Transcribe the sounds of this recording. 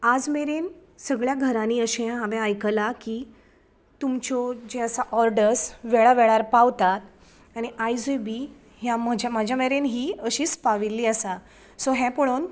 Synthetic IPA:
ad͡zmeɾensəɡɭjaɡʱəɾãniːəɕẽãɦamẽajkəlakiː | t̪umt͡ɕɔd͡ʑeəsaʔɔɾɖəɾsʋeɭaʋeɭaɾpaʋt̪at̪ | aniʔajd͡zobi | ɦjaməd͡ʑamad͡ʑʱjameɾenɦiːəɕiːspaʋilːiːəsa | sɔɦɛ̃pɔɭon

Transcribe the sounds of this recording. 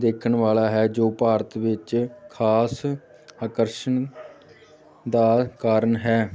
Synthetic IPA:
d̪eːkʰənʋaːlaːɦɛːd͡ʒoːpaːɾət̪ʋɪt͡ʃkʰaːs | aːkəɾʃən | d̪aːkaːɾənɦɛː

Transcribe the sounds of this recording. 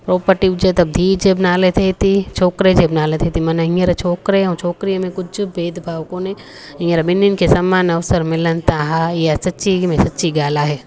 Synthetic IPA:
pɾoːpəɾʈɪbd͡ʒet̪ɐb̚d̪ʱiːɾd͡ʒebɐnaːlet̪ʰet̪it͡ʃʰoːkɾed͡ʒebnaːlet̪ʰet̪ʰimɐnəɦĩəɾt͡ʃʰoːkɾẽt͡ʃʰoːkɾijəmẽkʊt͡ʃʰbeːd̪ʱbʱaːʋkõnẽ | ɦĩːəɾbɪninkʰesɐmːaːnɐʋsəɾmɪlənt̪aɦajasɐtːʃimẽsɐtːʃiɡaːlaɦeː

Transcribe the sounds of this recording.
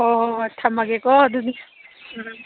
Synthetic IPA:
ɔɦɔʈʰːamaɡɛkɔd̪uni

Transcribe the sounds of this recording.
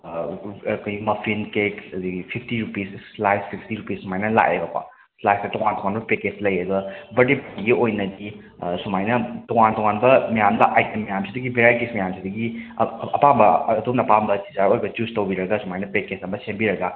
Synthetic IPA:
kojimɐpʰinkekɐdiɡipʰipʰtiɾupissslajspʰipʰtiɾupissumajnɐla̰ʔḛbɐka̰ | slajsdɐtɔŋantɔŋanbɐpeket͡ʃlɐjɐɡɐbɐdepɐiɡiojnɐdi | sumajnɐtɔŋantɔŋanbɐmijamdɐʔajtemijamsidɐɡibeɾaɾkismijamsʰidɐɡiɐpambɐdomnɐpambɐsi̥zaɾojbɐt͡ʃustowbiɾɐɡasumajnɐpeket͡ʃɐmbɐsembiɾɐɡa

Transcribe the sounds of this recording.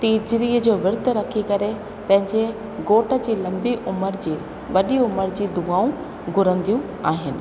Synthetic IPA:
t̪iːd͡ʑɾiːəd͡ʑoːʋɪɾd̪ɾɐkʰikɐɾe | pɐ̃ɦɪ̃ɲd͡ʑe | ɡoːʈə̆d͡ʑiːlɐ̃mbiʔʊməɾd͡ʑiː | ʋɐɗiʊməɾd͡ʑiːd̪uaːũ | ɡʱʊɾə̃nd̪ijũ | aːɦɪnɪ̆

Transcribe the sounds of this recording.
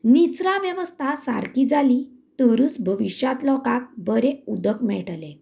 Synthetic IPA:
nit͡sɾaʋjəʋəst̪ʰasa̰ɾkid͡zali | t̪əɾut͡sbʱəʋiɕjat̪lɔkak̚bəɾeud̪əkmɛɭʈlẽ

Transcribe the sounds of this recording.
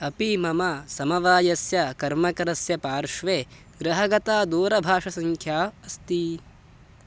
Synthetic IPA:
ɐpimɐmɐsɐmɐʋaːjɐsjɐkɐɾmɐkɐɾɐsjɐpaːɾʂʋeː | ɡɾɐɦɐɡɐt̪aːd̪uːɾɐbʱaːʂɐsɐŋkʰjaːɐst̪i

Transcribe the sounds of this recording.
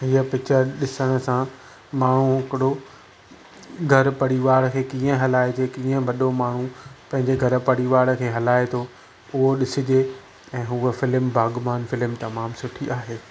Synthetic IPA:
ɦiːəpɪt͡ɕəɗɪsəɽ̃ə̆sã | maːɳ̤ũɦɪkɪɽo | ɡʱɐɾpɐɽiʋaːɽkʰeːkĩːə̃ɦɐlaːed͡ʑekĩːə̃ʋɐɗomaːɳ̤ũpɐ̃ɦɪ̃ɲd͡ʑeɡʱɐɾpɐɽ̤iʋaːɽkʰeːɦɐlaːet̪ʰo | ʊɦoɗɪsɪd͡ʑeː | ɛ̃ːɦuːəfɪlmbʱaːɡmaːnfɪlɪmt̪ɐmaːmsʊʈʰiʔaːɦeː

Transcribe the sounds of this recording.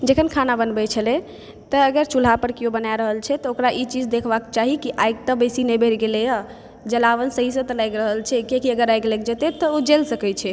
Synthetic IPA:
d͡ʒekʰənkʰanabənbɛt͡ʃʰəlɛ | t̪əːɡəɾt͡ʃul̤apəɾkiobənajɾəɦəlt͡ʃʰɛt̪ɔokɾaʔit͡ʃid͡ʒd̪ekʰbake̥t͡ʃaɦikiʔajɡ̚t̪əbesinɛbʱeɾɡeleja | d͡ʒəlaʋənsəɦisə̃t̪əlajɡɾəɦəlt͡ʃʰɛkekiəɡəɾajɡlaɡ̚d͡ʒət̪ɛt̪ɔod͡ʒelsəkɛt͡ʃʰɛ

